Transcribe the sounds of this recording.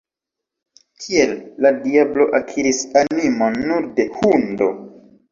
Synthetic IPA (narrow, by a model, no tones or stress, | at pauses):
kʰie̞lːadiablo̞ʔakʰiɾisanimonːuɾde̞hundo̞̰